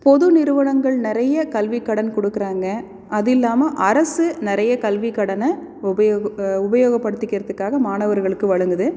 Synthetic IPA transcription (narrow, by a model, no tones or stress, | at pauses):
pɔðɯnɪɾɯʋɐɳɐŋɡɐɭnɪɾɐjɐkɐlʋɪkːɐɽɐnkɔɽɯkːɪɾaːŋɡɐ | ʔɐðɪlːaːmɐʔɐɾɐsɯnɪɾɐjɐkɐlʋɪkːɐɽɐnɐ | ʊbɐjʊbɐjoːɣɐpːɐɽɯt̪ːɪkːɪɾɐðɯkːaːɣɐmaːnɐʋɐɾɣɐɭɯkːɯʋɐɻɯŋɡɯðɯ